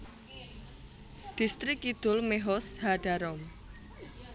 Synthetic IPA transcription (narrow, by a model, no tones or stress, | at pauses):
d̥i̤st̪ɾɪkid̪̥ʊlmeɦɔshaɖ̥aɾɔm